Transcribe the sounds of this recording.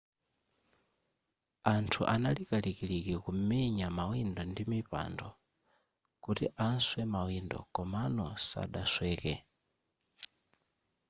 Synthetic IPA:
antʰuʔanalikalikilikikumɛɲamawindɔndimipa̰ndɔ | kutiʔanswɛmawindɔ̰kɔmanɔsa̰ɗaswɛːkɛ

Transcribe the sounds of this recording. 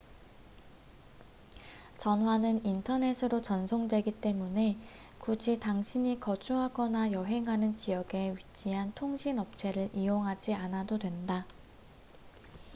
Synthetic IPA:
t͡ɕʌnwanɯnintʰʌne̞sʰɯɾot͡ɕʌnsʰoŋdwe̞ɡit͈e̞mune̞ | kud͡ʑitaŋɕʰiɲikʌd͡ʑuɦaɡʌnajʌɦe̞ŋɦanɯnt͡ɕijʌɡe̞ɥit͡ɕ͈iɦantʰoŋɕʰinʌp̚t͡ɕʰe̞ɾɯɾʔijoŋɦad͡ʑianadodwe̞nda

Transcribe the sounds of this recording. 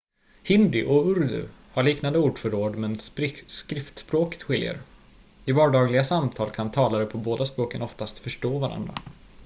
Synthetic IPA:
hɪnd̪ɪʔɔɵɾd̪ɵ̰haɭiːknand̪əuːɖfœɾoːɖmɛnskɾɪft̪spɾoːkə̥t̪ɧɪljə̰ɾ | ɪvɑːɖɑːɡlɪɡasamt̪ʰɑːlkʰant̪ʰɑːlaɾəpʰɔboːd̪aspɾoːkənɔft̪ast̪fœʂʈoːvaɾa̰nd̪ɾa̰

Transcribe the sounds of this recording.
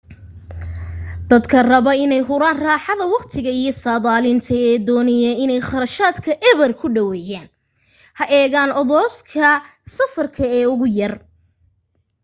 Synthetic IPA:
d̪ɐd̪kʰɐrɐβɐɪnɛjɦʊɾaːnraːħɑðɐwɑqt̪ʰɪɣɐijɞsaːðaːlɪnt̪ʰɐɛːd̪ɔːnɪjɐɪnɛjχɑɾɐʃaːd̪kʰɐʔɛβɐrkʰʊɖɐwɛːjaːn | hɐʔɛːɣaːnɔðɔːskʰɐ | sɐfɐrkʰɐɛːʊɣʊjɐr

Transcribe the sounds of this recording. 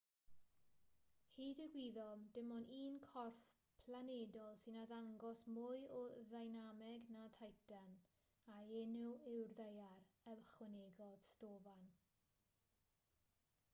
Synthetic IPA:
hiːdəɡwiðɔmdɪmɔniːnkʰɔrf | pʰlanedɔlˠsɪnadaŋɡɔsmʊɨɔðajnamɛɡnatʰajtan | aenʊwɪwrðejaɾəwχwɛneɡɔð̥stoːvan

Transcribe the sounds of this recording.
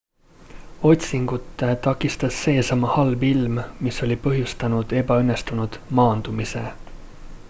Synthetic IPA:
o̞t̪ʲsiŋɡ̥ut̪ːˑet̪ɑkˑːist̪ɑsːe̞ːsɑmɑhɑlvilmmiso̞lʲipɤɦjust̪ɑnud̪̥e̞bɑynːest̪unud̪̥mɑːnd̪̥umisḛ

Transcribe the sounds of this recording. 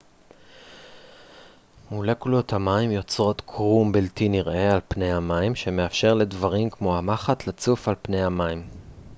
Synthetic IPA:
mulekulothamaimjo̞t͡sʁo̞t̪kʰʁumbiltiniʁʔe̞alpne̞jhamaimʃe̞me̞afʃe̞ʁle̞dvaʁimkmo̞hamaχatlat͡sufalpne̞jhamaim

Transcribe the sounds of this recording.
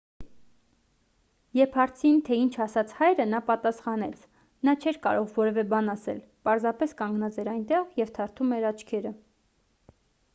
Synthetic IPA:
jɛpʰhɑɾt͡sʰint̪ʰɛint͡ʃʰɑsɑt͡sʰhɑjɾənɑpɑt̪ɑsχɑn̪ɛt͡sʰ | nɑt͡ʃʰɛɾkɑ̰ɾɔʁvɔɾɛvɛbɑnɑsɛ̰l | pɑɾzɑpɛskɑŋɡnɑt͡sɛɾɑjnt̪ɛʁjɛvt̪ʰɑɾt̪ʰumɛɾɑt͡ʃʰkʰɛɾə

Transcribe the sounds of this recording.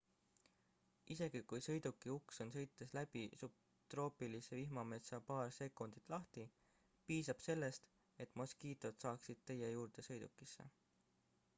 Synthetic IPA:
ʔise̞ɡ̥ikujsɤ̞jd̪̥ukːˑiukso̞nsɤ̞jt̪ːˑeslæb̥isup̚ | t̪ro̞ːpilise̞vihmɑme̞t̪sɑpɑːrse̞kːˑund̪̥it̪ˑlɑht̪i | piːsɑb̥se̞lːe̞st̪ | e̞t̪ːˑmoskiːt̪ˑo̞t̪sɑːksid̪̥̚t̪e̞je̞juːrd̪̥e̞sɤ̞jd̪̥ukːˑisːe̞̰

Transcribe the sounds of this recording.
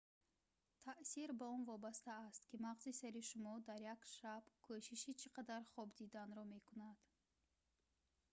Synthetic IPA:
t̪ʰaʔsiɾbaɔnvɔbast̪aːst̪kimaʁzisaɾiʃumɔd̪aɾjakʃabkʰɔʃiʃit͡ʃʰiqʰad̪aɾχɔbd̪id̪anɾɔme̞kunad̪̥

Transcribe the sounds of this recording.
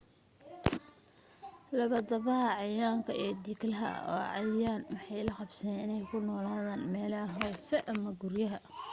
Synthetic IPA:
lɐβɐd̪ɐβɐɦɐʕɑjaːŋkʰɐʔɛːd̪iːklɐɦɐ̰ɔ̰ːʕɑjjaːnwɑħɑjlɐqɑbsɛnɪnɛjkʰʊnɔːlaːðaːnmɛːlɐɦɔːsɛʔɐmɐɡʊrjɐɦɐ

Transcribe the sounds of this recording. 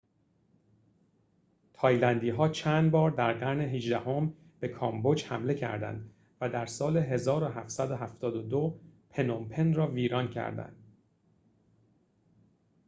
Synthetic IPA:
t̪ʰɒːjlænd̪iːɦɒːt͡ʃʰænd̪bɒːɾd̪æɾɢæɾne̞ɦed͡ʒd̪æho̞m | b̥e̞kʰɒːmbo̞d͡ʒhæmle̞cʰæ̰ɾd̪æ̰nd̪ | væd̪æɾsɒːle̞ɦe̞zɒːɾoɦæft̪sæd̪oɦæft̪ʰɒːd̪od̪opʰe̞nompʰe̞nrɒːviːɾɒːncʰæ̰ɾd̪æ̰nd̪̥

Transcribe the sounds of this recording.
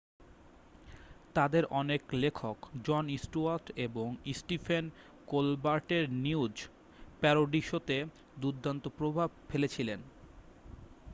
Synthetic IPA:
t̪ad̪eɾʔɔneklekʰokd͡ʑɔnisʈuaɾʈeboŋisʈifʰen | kolbaɾʈeɾniud͡ʑ | pɛɾoɖiʃot̪e | d̪ud̪ʱːant̪opɾobʱab̚felet͡ɕʰilen

